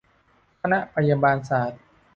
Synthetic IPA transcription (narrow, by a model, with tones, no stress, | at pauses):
kʰa˧na˦˥ʔpa˧ja˧baː˧nsaː˩˦t̪̚